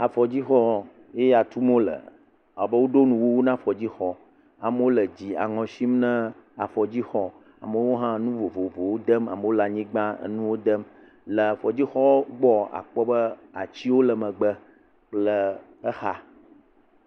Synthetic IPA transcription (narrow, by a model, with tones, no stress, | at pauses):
a˨fɔ˨d͡ʑi˦xɔ˦ | je˦ja˨t̪u˦m˦õ˦lə̰˨ | a˨bə˦wo˦ɖo˦nũ˨wo˦wo˦nã˦fɔ˨d͡ʑi˦xɔ˦ | a˨mə˦wo˦lə˨d͡ʑi˨a̰˨ŋɔ̃˨si˦mnə̃˦a˨fɔ˨d͡ʑi˦xɔ˦ | a̰˨mə˨wo˦ɦã˦nũ˦vo˨vo˨vo˨wo˦d̪ə˦ma̰˨mə˨wo˦la˨ɲĩ˦ɡ͡bã̰˦nũ˦wo˦d̪ə˦m | lə˨fɔ˨d͡ʑi˦xɔ˦ɡ͡bɔ˦a̰˨k͡pɔ˦bə˦a˨t͡ɕi˦wo˦lə˨mə̃˨ɡ͡bə˦ | k͡plə˨ | ə˦xa˦